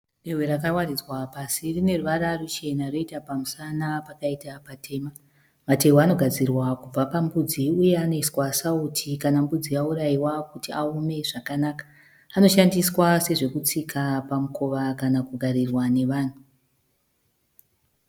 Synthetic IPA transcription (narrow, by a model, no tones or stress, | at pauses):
rerweɾakawarid͡zwapasirine̞ruʋaɾarut͡ʃe̞naro̞itapamusanapakaitapatʰe̞ːma | mate̞wano̞ɡʱad͡zirwakub͡vapambud͡ziuje̞ano̞iswasautʰikanambud͡ziauɾaiwakutiaume̞ʐakanaːkḁː | no̞ʃandiswase̞ʐe̞kut͡sikʰapamukʰo̞ʋakanakuɡʱaɾirwane̞ʋaːn̤u